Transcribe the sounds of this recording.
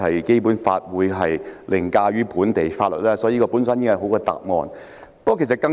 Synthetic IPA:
hɐ˨jke˥jpu˨˥nfaː˧t̚wuː˨˧jɦɐ˨jlʔɪ˨˩ŋkaː˧ɥyː˥pʰuː˨˥nt̪e˨jfaː˧t̚lɵ̰˨t̚lɛː˥sɔː˨˥jiː˨˧˦ɔː˧puː˨˥nsa˥nji˥kːɦo˨˥wkɔː˧t̪a̰ː˨p̚ŋɔ̰ː˨˧n | pːkʰe˨˩sɐ˨t̚kɐ˧

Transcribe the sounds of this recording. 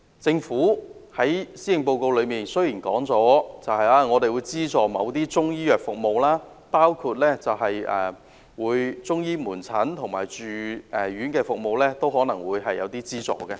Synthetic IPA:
t͡sɪ˧ŋfuː˨˥hɐ˨˥jsiː˥jɪ˨ŋpo˧wko˧wlɵ˨˧ɥmiː˨nsɵ˥ɥjiː˨˩nkɔː˨˥ŋt͡sɔː˨˥t͡sɐ˨whɐ˨˧jaː˧ŋɔː˨˧t̪e˨jwuː˨˧jt͡siː˥t͡sɔː˨mɐ˨˧wt̪iː˥t͡sʊ˥ŋjiː˥jœː˨k̚fʊ˨k̚mo˨wlaː˥ | paː˥wkʰuː˧t̚lɛː˥t͡sɐ˨whɐ˨jʔɛː˨˩ | wuː˨˧jt͡sʊ˥ŋjiː˥muː˨˩nt͡sʰɐ˨˥nt̪ʰʊ˨˩ŋma̰ː˨jt͡ʃyː˨ɛ˨ɥyː˨˥nkɛː˧fʊ˨k̚mo˨wlɛː˥t̪o˥whɔː˨˥nɐ˨˩ŋwuː˨˧jɦɐ˨jːɐ̰˨˧wt̪iː˥t͡siː˥t͡sɔ̰ː˨kɛ˧

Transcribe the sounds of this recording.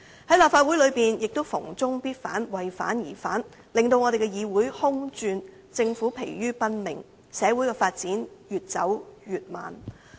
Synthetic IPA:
hɐ˨˥jlaː˨p̚faː˧t̚wu˨˥jlɵ˨˧piː˨njɪ˨k̚t̪o˥wfʊ˨˩ŋt͡sʊ˥ŋpiː˥t̚faː˨˥nwɐ˨jfa̰ː˨˥njiː˨˩fa̰ː˨˥n | lɪ˨ŋt̪o˧wŋɔ˨˧ɾe˨jkɛ˧jiː˨˧wuː˨˥jhʊ˥ŋt͡ʃyː˧n | t͡sɪ˧ŋfuː˨˥pʰe˨˩jɥyː˥pɐ˥nmɪ̰˨˩ŋ | sɛː˨˧wuː˨˥jkɛː˧faː˧t̚t͡siː˨˥njyː˨t̚t͡sɐ̰˨˥wjyː˨t̚ma̰ː˨n

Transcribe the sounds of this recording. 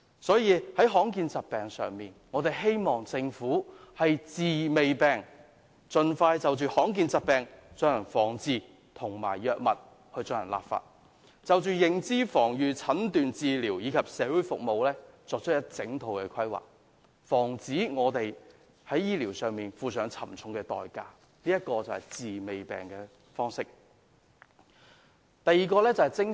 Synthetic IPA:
sɔː˨˥jiː˨˧hɐ˨˥jɦɔː˨˥ŋkiː˧nt͡sɐ˨t̚pɛː˨ŋsœ̰ː˨˧ŋmiː˨nŋɔː˨˧t̪e˨˩jɦe˥jmɔː˨ŋt͡sɪ˧ŋfuː˨˥hɐ˨jt͡siː˨me˨jpɛː˨˧ŋ | t͡ʃɵ˧nfaː˧jt͡sɐ˨wt͡ʃyː˨˧hɔː˨˥ŋk̬iː˧nt͡sɐ˨t̚pɛː˨ŋt͡sœː˧ŋjɐ˨˩nfɔː˨˩ŋt͡siː˨˧ | t̪ʰʊ˨˩ŋma̰ː˨˩jjœː˧k̚mɐ˨t̚ | hɵ˧ɥt͡sœː˧ŋjɐ̰˨˩nla̰ː˨pfa̰ː˧t̚ | t͡sɐ˨wt͡ʃyː˨jɪ˨ŋt͡siː˥fɔː˨˩ŋjyː˨t͡sʰɐ˨˥nt̪yː˨nt͡siː˨liː˨˩wjiː˨˧kʰɐ˨p̚sɛː˨˥wuː˨˥jfʊ̰˨k̚mo˨˧wlɛː˥t͡sɔː˨k̚t͡ʃʰə˥t̚jɐ˥t̚t͡sɪ˨˥ŋt̪ʰo˨˧wkɛ˧kʰɐ˥jwa̰ː˨k̚ | fɔː˨˩ŋt͡siː˨˥ŋɔː˨˧t̪e˨j | hɐ˨˥jːiː˥liː˨˩wsœː˨ŋmiː˨˩nfuː˨˧sœː˨˥ŋt͡sʰɐ˨˩mt͡sʰʊ˨˥ŋkɛ˧t̪ɔ̰ː˨jkaː˧ | liː˥jɐ˥t̚kɔː˧t͡sɐ˨˩whɐ˨˩jt͡siː˨me˨jpɛ̰ː˨˩ŋkɛː˧ | fɔː˥ŋsɪ˥k̚ | t̪ɐ˨jiː˨˧kɔː˧lɛː˥t͡sɐ˨whɐ˨˩jt͡sɪ˥ŋ

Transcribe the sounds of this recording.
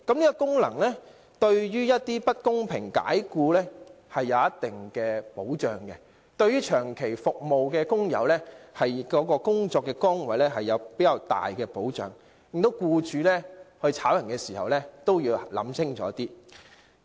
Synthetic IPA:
kɐ˨˥mliː˥kɔː˧kʊ˥ŋlɐ̰˨˩ŋlɛː˥ | t̪ɵ˧ɥɥyː˥jɐ˥t̚t̪iː˥pɐ˥t̚kʊ˥ŋpʰɪ˨˩ŋka̰ː˨˥jkuː˧lɛː˥ | hɐ˨jːɐ˨˧wjɐ˥t̚t̪ɪ˨ŋkɛː˧po˨˥wt͡ʃœː˨˩ŋkɛ̰˧ | t̪ɵ˧ɥyː˥t͡ʃʰœː˨˩ŋkʰe˨˩jfʊ˨k̚mo˨wkɛː˧kʊ˥ŋjɐ̰˨˧wlɛː˥hɐ˨jkɔː˨˥kɔː˧kʊ˥ŋt͡ʃɔː˧kːɛ˧kɔː˥ŋwɐ˨˥jlɛː˥ɦɐ˨jːɐ˨˧wpe˨˥jɐ˨˧wt̪a̰ː˨jkɛː˧po˨˥wt͡ʃœ̰ː˨˩ŋ | lŋt̪o˨˥wkuː˧t͡ʃyː˨˧lɛː˥hɵ˧ɥt͡sʰaː˨˥wjɐ˨˩nkɛ˧siː˨˩hɐ˨wlɛː˥t̪o˥wjiː˧wlɐ̰˨˥msɪ˥ŋt͡ʃɔː˨˦˥t̪iː˥

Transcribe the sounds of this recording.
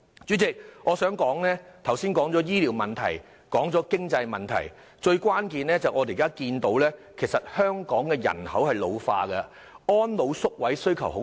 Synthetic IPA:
t͡ʃy˨˥t͡sɪ˨k̚ʔɔː˨˧sœː˨˥ŋkɔː˨˥ŋnɛː˥t̪ʰɐ˨˩wsiː˥nkɔː˨˥ŋt͡sɔː˨˥jiː˥liː˨˥wmɐ˨nt̪ʰɐ̰˨˩j | kɔː˨˥ŋt͡sɔː˨˥kɪ˥ŋt͡sɐ˧jmɐ˨˩nt̪ʰɐ̰˨˩j | t͡ʃɵ˧ɥkʷwaː˥nkiː˨nlɛː˥t͡sɐ˨wʔɔː˨˧d̪e˨˩kaː˥kiː˧nt̪o˨˥wlɛː˥kʰe˨˩jsɐ˨t̚hœː˥ŋkɔː˨˥ŋkɛː˧jɐ̰˨˩nhɐ˨˥whɐ˨jlo˨˧wfa̰ː˧kɐ˧ | ɔː˥nlo˨˧wsʊ˥k̚wɐ˨˥jsɵ˥ɥkʰɐ˨˩who˨˥

